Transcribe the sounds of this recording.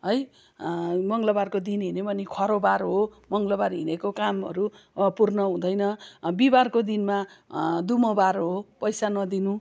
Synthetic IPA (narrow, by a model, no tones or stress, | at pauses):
ɦʌj | mʌŋlʌbarkod̪inɦinebʌnikʰʌɾobaɾɦomʌŋɡlʌbarɦḭnekokamɦʌ̰ɾu | purnʌɦũd̪ʌjnʌbibarkod̪inma | d̪umʌbaɾɦopʌjsanʌd̪inũ